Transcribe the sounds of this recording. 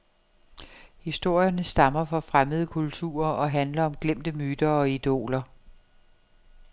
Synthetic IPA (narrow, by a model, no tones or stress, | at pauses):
hisd̥o̝ɐ̰jɐnəsd̥ɑ̈mɐfɒ̽fʁaməð̞ˠəkʰult͡sʰṵːɐɒ̽ɦænlɐɒ̽mɡ̥lem̰d̥əmyːd̥ɐɒ̽id̥o̝̰ːlɐ